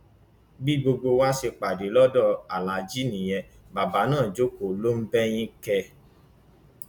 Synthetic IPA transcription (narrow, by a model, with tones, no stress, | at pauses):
bi˦ɡ͡bo˧ɡ͡bo˧wa˦ʃe˧k͡pa˨de˨˦lɔ˦dɔ˦˨a˨la˨d͡ʒi˦nĩ˨j̃ɛ̃˧ | ba˨ba˨˦nãː˦˨d͡ʒo˦ko˨lo˦m̩˦bɛ˦j̃ĩ˦kɛ˧